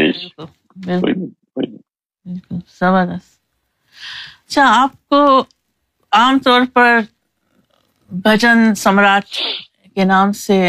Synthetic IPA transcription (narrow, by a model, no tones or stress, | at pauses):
ḭkʊl | bɪlɪ | ɪ | bɪlkʊlsɐbəɾd̪əst̪ | ɐtːʃʰaaːp̚ko | aːmt̪ɔːɾpɐɾ | bʱɐd͡ʒənsɐmɾaːt̪ | kenaːmse